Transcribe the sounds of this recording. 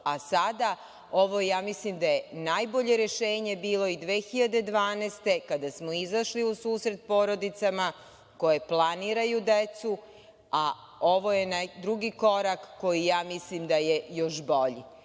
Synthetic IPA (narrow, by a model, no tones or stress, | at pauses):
asad̪a | o̞ʋo̞jaːmislimd̪ajenajboʎe̞ɾeʃe̞ːɲe̞biːlo̞id̪ʋeːxiʎad̪e̞d̪ʋaːneːst̪e̞kad̪asmo̞izaʃliusuːsɾet̪̚po̞ːɾo̞d̪it̪sama | ko̞je̞plˠaniːɾajud̪et̪su | a | oʋo̞jenad̪ɾuɡiko̞ɾakːo̞jijaːmislimd̪aje̞jo̞ʃbo̞ʎḭ